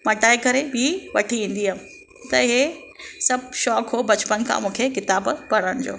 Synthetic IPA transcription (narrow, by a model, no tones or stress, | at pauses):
mɐʈaːɪkɐɾebʱiʋɐ̰ʈʰiʋĩːn̆d̪iːam | t̪ɐɪɦe | sɐbʃɔːkɦoːbɐt͡ɕpənkʰã̰mũːkʰekɪt̪aːbpɐɽəɽ̃d͡ʑo̰ː